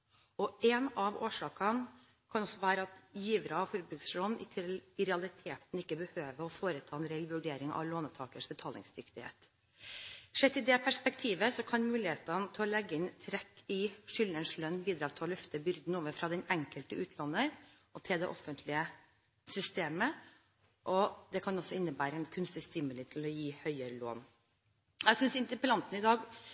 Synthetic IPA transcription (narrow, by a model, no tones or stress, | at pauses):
ɔɛnɑʋoːʂɑːkɑn | kʰɑnɔsɔʋæːɾəɑt̪jiːʋɾɑfɔɾbɾʉːksloːnnɪ̰t̪ʰɾɛɑlɪt̪ʰeːt̪n̩ɪkːəbəhøːʋəɾɔfoːɾət̪ʰɑːɛnɾɛlʋʉɖeːɾɪŋɑ̰ʋloːnət̪ʰɑːkəʂbɛt̪ʰɑːlɪ̰ŋsd̪ʏkt̪ɪhḛːt̪ | ʂɛt̪ːɪd̪ɛpʰæʂpɛkt̪ʰiːʋəsɔkʰɑnmʉːlɪheːt̪ɑnət̪ʰɪɔlɛɡːəɪnt̪ʰɾɛkːɪʂʏlnənslœnːbiːd̪ɾɑːt̪ʰɔlœft̪əbʏɾd̪n̩oːʋəfɾɑd̪ɛnɛŋkəlt̪əʔʉːt̪ʰlɑnːəɾ | ʔɔt̪ʰɪld̪ɛ̰ʔɔfənt̪ʰlɪə | sʏst̪eːmə | ʔɔd̪ɛkʰɑnɔsːɔɪnːəbæːɾəɛnkʰʉnst̪əst̪ɪməlɪt̪ʰɪlɔjiːhœʏəɾəlo̰ːn | æsʏnsɪnt̪əpəlɑnt̪n̩ɪd̪ɑːɡ